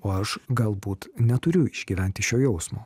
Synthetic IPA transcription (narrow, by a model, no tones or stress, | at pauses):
oːɐʃɡɐlˠbuːt̪nʲɛt̪ʊɾʲʊɪʒ̥ʲɡʲiːʋʲæˑnʲt̪ʲɪʃʲoːjɛʊsmoː